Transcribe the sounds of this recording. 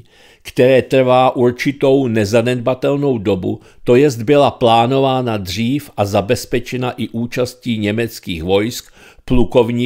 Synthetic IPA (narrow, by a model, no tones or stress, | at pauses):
kt̪ɛɾɛːt̪r̩vaːʔuɾt͡ʃɪt̪o̞wnɛzanɛd̪bat̪ɛlno̞wdo̞bṵ | t̪o̞jɛzd̪bɪlaplaːno̞vaːnad̪r̝iːfʔazabɛspɛt͡ʃɛnaʔɪʔuːt͡ʃasciːɲɛmɛt͡skiːxvo̞jsk | pluko̞vɲiː